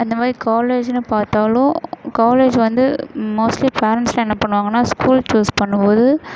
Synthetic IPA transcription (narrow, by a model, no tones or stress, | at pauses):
ɐnd̪ɐmaːðɾikaːleːd͡ʒnːɯpaːɾt̪aːlʊ̃kaːleːd͡ʒʋɐnd̪ɯmoːsʈlipeːɾɛɳʈsɪlɐɛnːɐpɐɳːɯʋaːŋɡɐnːaːskuːlt͡ʃuːspɐɳːɯpoːðɯ